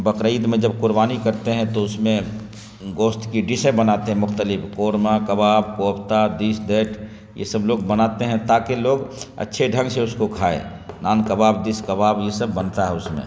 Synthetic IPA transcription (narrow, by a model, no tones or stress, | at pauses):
bəkɾəid̪mẽd͡ʒəb̚kʊɾbaːnikɐɾt̪eɦɛ̃t̪oʊsmẽ | ɡoːst̪kiɖɪsə̃bənat̪eɦɛ̃mʊxt̪əlɪpʰkoːɾmakəbaːbkoːpt̪ad̪isd̪eːʈʰ | jḛsəbloːɡ̚bənaːt̪eɦɛ̃t̪akeloːɡɐ̰tːʃʰeɖʱə̃ŋɡseʊskokʰaːḛ | naːnkəbaːbd̪ɪskəbaːbjesəbːənt̪aɦɛʊsmḛ̃